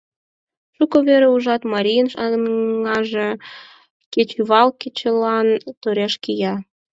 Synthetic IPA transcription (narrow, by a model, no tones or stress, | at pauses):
ʃukoβeɾeuʒɑt̪mɑɾʲijənʃɑŋɑʒe | ket͡ɕyβɑlket͡ɕelɑnt̪oɾeʃkijɑ